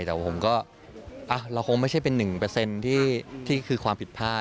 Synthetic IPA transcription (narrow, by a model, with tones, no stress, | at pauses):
t̪ɛː˨˩˥pʰo˩˦mkɔː˥˩ | ʔa˧˩wɾa˧wkʰo˧ŋma˥˩jt͡ɕʰa˥˩jpe˧nːɯ˨˩ŋpɤː˧se˧nt̪ʰiː˥˩t̪ʰiː˥˩kʰɯː˧kʰwaː˧mpʰi˨˩t̪̚pʰaː˥˩